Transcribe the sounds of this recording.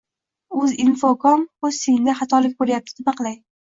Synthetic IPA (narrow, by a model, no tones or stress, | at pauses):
ɵzɪnfokʰɒmɵz̥sejnd̪aχat̪ʰɒlɪk̚ʲboɾjap̚t̪ʰɪ̥d̪ɪmaqʰɨlˠaj